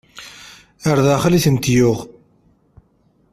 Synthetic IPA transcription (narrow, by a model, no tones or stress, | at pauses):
əɾðæχliθənt̪jʊʁ